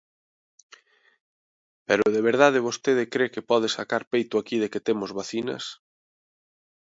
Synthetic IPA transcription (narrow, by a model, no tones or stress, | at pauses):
peɾʊðeβ̞eɾð̞aðɪβ̞ost̪eðɪkɾekepɔð̞esakaɾpejt̪ʊakið̞eket̪emʊzβaθinɐ̰s